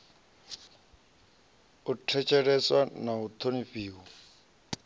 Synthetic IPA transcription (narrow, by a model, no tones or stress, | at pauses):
utʰɛt͡ʃʰɛɺɛswanaut̪ʰoniɸiːwɔ